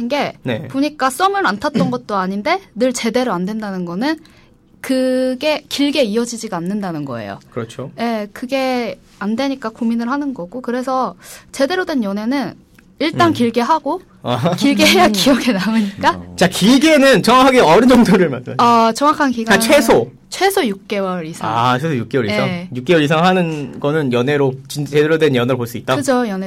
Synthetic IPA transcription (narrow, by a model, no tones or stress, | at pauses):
ɯnɡe̞ne̞̰poɲik͈as͈ʌmɯɾantʰat̚t͈ʌnɡʌt̚t͈oaɲinde̞nɯɭt͡ɕe̞de̞ɾoandwe̞ndanɯnɡʌnɯn | kɯɡe̞kiɭɡe̞iʌd͡ʑid͡ʑiɡaːnːɯndanɯnɡʌ̰e̞̰jo̰kɯɾʌt͡ɕʰoje̞kɯɡe̞ | andwe̞ɲik͈akominɯɭhanɯnɡʌɡokɯɾe̞sʰʌt͡ɕe̞de̞ɾodwe̞njʌne̞nɯn | iɭt͈ankiɭɡeɦaɡo | kiɭɡeɦejakiʌɡe̞namɯɲik͈at͡ɕakiɡenɯnt͡ɕʌŋwakʰaɡeʌɾɯnd͡ʑʌŋdoɾɯɭmasɯmaat͡ɕʌŋwakʰankiɡaat͡ɕʰwe̞sʰo | t͡ɕʰwe̞sʰojuk̚k͈e̞wʌɾisʰaat͡ɕʰwesʰojuk͈e̞wʌɾiseaŋjuk͈e̞wʌɾisʰaŋɦanɯnɡʌnɯnjʌne̞ɾot͡ɕint͡ɕedeɾodwenjʌneɾopoɭs͈uit̚t͈akɯd͡ʑʰojʌne